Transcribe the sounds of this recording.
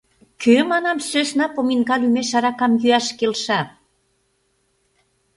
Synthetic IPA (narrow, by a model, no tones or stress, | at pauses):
kʰømɑnɑmsøsnɑpominɣɑlymeʃɑɾɑkɑmjyæʃkelʃɑ